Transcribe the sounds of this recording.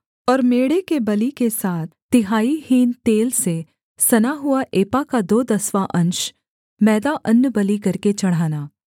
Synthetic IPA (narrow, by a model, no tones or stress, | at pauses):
ɔːɾmeːɽekebɐlikesaːt̪ʰt̪ɪɦaːihiːnt̪eːlse | sɐnaɦʊaʔeːpakad̪oːd̪ɐsʋaʔɐ̃nʃ | mɛːd̪aʔɐnːəbɐlikɐɾket͡ʃɐɽ̤aːnaː